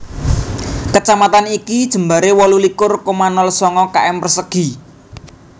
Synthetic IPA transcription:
kət͡ʃamat̪anikid̥ʒ̥ə̤mbaɾewɔlulikʊrkomanɔlsɔŋɔkaʔɛmpərsəɡ̥i̤

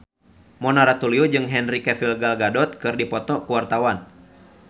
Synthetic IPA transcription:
mɔnaɾat̪uliud͡ʒɨŋɦɛnrikɛfilɡalɡadɔt̪̚kɨrdipɔt̪ɔkuwart̪awan

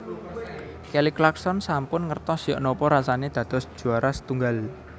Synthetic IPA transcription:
keliklaksɔnsampʊnŋərt̪ɔsijɔ̰ʔnɔpɔɾasaned̪̥ä̤d̪̥ɔ̤sd̥ʒ̥ṳaɾʔasə̥t̪uŋɡal

